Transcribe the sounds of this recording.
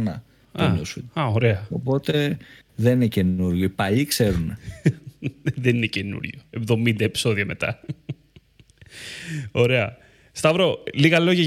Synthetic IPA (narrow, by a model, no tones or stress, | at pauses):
nɐ | oɲosuɐoɾe̞ɐopo̞t̪e̞ | ðeninece̞nuɾʝoipɐʎikse̞ɾune | ðeninecenṵɾʝoevðo̞mind̪ɐepi̥so̞ðiɐme̞t̪ɐ̰ | o̞ɾe̞ɐ | st̪ɐvɾo̞liɣɐlo̞ʝɐ